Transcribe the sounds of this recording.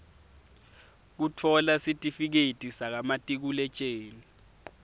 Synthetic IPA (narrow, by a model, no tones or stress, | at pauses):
k̬utʰɔlasitʼifik̬etʼisak̬amatʼik̬ulɛt͡ʃʼeːni